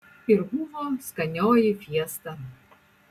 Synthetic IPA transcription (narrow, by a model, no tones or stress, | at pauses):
ɪɾbuʋoːskɐnʲoːjɪfʲiɛst̪ɐ